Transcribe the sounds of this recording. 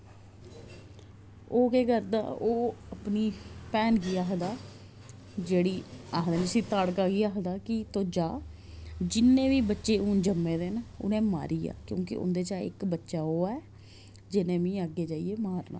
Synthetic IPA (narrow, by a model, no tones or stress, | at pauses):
oːkeːkəɾd̪a̰ːoːəpniːpɛːnɡiːaːɦd̪aː | d͡ʒeːɽiːaːɦd̪aːɪsĩːt̪aːɽkaːɡiːaːɦd̪aːkɪt̪oːd͡ʒaː | d͡ʒɪnːẽːʋiːbətːʃeːʊːnd͡ʒəmːeːd̪eːnʊ̰nẽːma̰ːɾʔiːa̰ːkjõ̰ːkɪ̰ʔʊ̰nd̪eːt͡ʃaːɪ̰kbətːʃaːɦoːaɛː | d͡ʒɪnẽːʋĩːəɡːeːd͡ʒaːijeːmaːɾna̰ː